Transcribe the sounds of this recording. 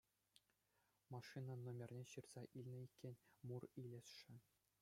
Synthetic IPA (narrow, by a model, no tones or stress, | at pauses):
mɑʂɨnɑnomʲerʲnʲeɕɯrz̥ɑʔilʲnʲɘ̆ikʲːenʲmurilʲɘ̆sʂɘ̆